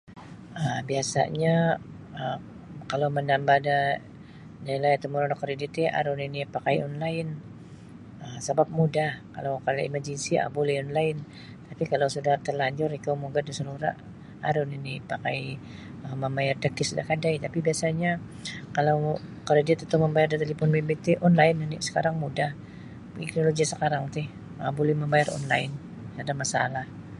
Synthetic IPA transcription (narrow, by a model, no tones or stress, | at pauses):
əbiasa̰ɲa | ə | kalawmənambahda | dailajat̪əmuɾanɔkːəɾedit̪jʔa̰ɾʊninipakajɔnlaɪn | əmsəbap̚mudahka̰lawkaɾda̰imard͡ʒinsia̰buliɔnlaɪn | t̪apikalawsudaht̪ərlaɲd͡ʒʊɾikawmuɡadisəluɾa̰ʔ | a̰ɾʊninipakaj | əmːəmbajardəkɪsudahkadajt̪apibiasaɲa | kalawkardadiat̪ət̪ʊməmbajardat̪elifɔnbibet̪ɪʔɔnlaɪnnḭsə̥kaɾaŋmudah | ḭknoloɡiasəkaɾaŋt̪ɪh | əa̰bolɛhməmbajarɔ̰nla̰ɪn | adamasa̰lah